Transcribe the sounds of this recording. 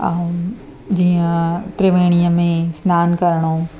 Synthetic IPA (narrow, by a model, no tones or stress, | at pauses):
d͡ʑiːə̃t̪ɾɪʋeːɽ̃ijəmẽsnaːnkɐɾɽ̃o